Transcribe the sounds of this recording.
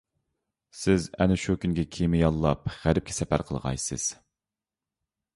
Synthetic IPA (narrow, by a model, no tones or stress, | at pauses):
sɪzɛ̰nɪʃukʲynɡʲɛkʲʰemɪjɑlˠːɑpʁæɾɪp̚kʰʲɛ̥sɛpæ̰ɾqʰəlˠʁɑ̰jsɨ̰z̥